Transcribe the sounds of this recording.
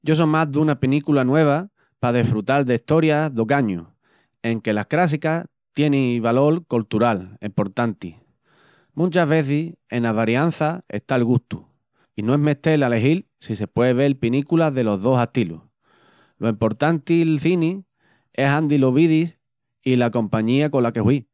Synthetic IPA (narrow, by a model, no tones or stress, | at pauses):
ɟ͡ʝo̞s̬omazðunapinikulanwe̞β̞a | pað̞efɾut̪alðeiht̪o̞ɾjaðo̞kaɲu | e̞ŋke̞lakɾasika | t̪je̞niβalo̞ɾkolt̪uɾalempo̞ɾt̪ant̪i | mũnt͡ʃaɦβe̞θise̞naβaɾjanθaḛst̪alɣuht̪u | inoe̞ɦme̞ht̪e̞lale̞ɦil | sise̞pweðeβ̞e̞lpinikulaðe̞lo̞ɦðo̞saht̪ilṵ | loimpo̞ɾt̪ant̪ilθini | e̞ɦand̪iloβiðis | ilako̞mpaɲiako̞lake̞hwi